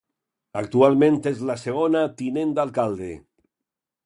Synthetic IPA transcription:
ak̚t̪ualˠmẽnt̪ezlaseɣ̞onat̪inẽnd̪alˠkald̪ḛ

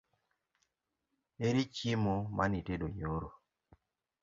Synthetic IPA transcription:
eɾit͡ʃimɔmʔaniteɗoɲoɾo

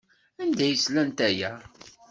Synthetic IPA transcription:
ænd̪æjəslænt̪æjæ

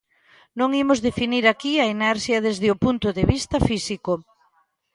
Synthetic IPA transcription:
nõŋimozðefiniɾakiɐinɛɾʃjɐðezðɪopunt̪ʊðeβist̪ɐfisiko

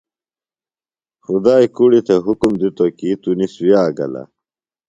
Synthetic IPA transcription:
xud̪aːikuɽit̪ʰeɦukumd̪it̪okit̪uniswjaːɡɐ̰la̰

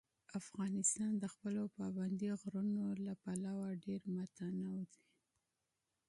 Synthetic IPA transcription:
afɣɑnɪst̪ɑnd̪əxpəlopɑband̪iɣɾunolapalɑwaɖeɾmat̪anawd̪e

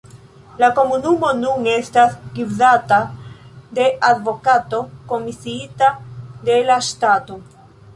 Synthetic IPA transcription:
lako̞munumo̞nune̞stasɡiwzata | d̪e̞ʔad̪vo̞kato̞ko̞misiitad̪e̞lastato

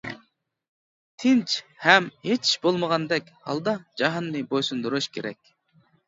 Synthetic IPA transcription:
t̪ʰɪnt͡ʃhɛmhet͡ʃʰi̥ʃbolˠməʁɑnd̪ɛkʲhɑ̰lˠd̪ɑd͡ʒɑɦɑnːɨbojsund̪uɾuʃkʲʰeɾɛ̰kʲ

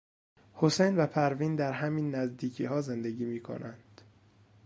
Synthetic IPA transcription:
hosejnvæpʰæɾviːnd̪æɾɦæmiːnːæzd̪iːcʰiːɦɒːze̞nd̪e̞ɟiːmiːkʰo̞̰nænd̪̥

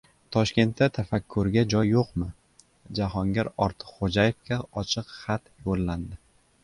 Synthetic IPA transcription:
t̪ʰɒʃkʲe̞nt̪ːat̪ʰafakʲʰːʊɾɡʲad͡ʒɒjːoqmɪ | d͡ʒaɦɒŋɡʲaɾɒɾt̪ʰɨ̥qχod͡ʒaje̞fkʲʰaɒt͡ʃʰɨqχat̪jolːand̪ɪ

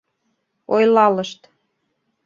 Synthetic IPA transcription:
ojlɑləʃt̪

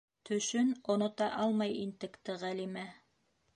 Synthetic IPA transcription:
t̪ʰɵ̆ʃɵnŏnŏt̪ɑʔɑlˠmɑjint̪ɘ̆kt̪ɘʁælimæ

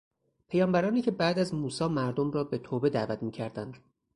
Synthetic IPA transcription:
pʰejɒːmbæɾɒːniːcʰe̞bæːd̪æzmuːsɒːmæɾd̪omrɒːbe̞t̪ʰoːbe̞d̪æːvæt̪ʰmiːcʰæɾd̪ænd̪̥

